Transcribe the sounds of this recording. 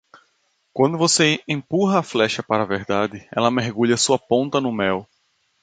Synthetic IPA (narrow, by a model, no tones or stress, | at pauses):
kwɐ̃nd̪ʊvoseẽpuɦɐːflɛʃɐpaɾɐveɾd̪ad̪ɪɛlɐmeɦɡuʎɐsuɐpõnt̪ɐnʊmɛw